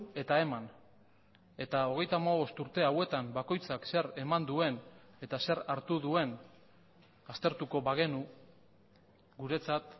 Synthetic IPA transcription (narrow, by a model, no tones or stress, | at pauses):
e̞t̪ae̞man | e̞t̪ao̞ɣ̞e̞jt̪amaβo̞st̪uɾt̪e̞awe̞t̪ambako̞jt͡sakse̞ɾe̞mand̪ue̞n | e̞t̪ase̞ɾaɾt̪uðue̞n | ast̪e̞ɾt̪uko̞βaɣ̞e̞nu | ɡuɾe̞t͡sat̪